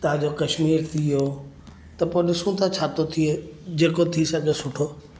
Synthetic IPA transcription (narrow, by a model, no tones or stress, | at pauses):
t̪ɐɦãd͡ʑoːkɐʃmiːɾt̪ʰijoː | t̪ɐpoːɗɪsũt̪ʰãt͡ɕʰaːt̪ot̪ʰied͡ʑeːkot̪ʰisɐɡʱesʊʈʰoː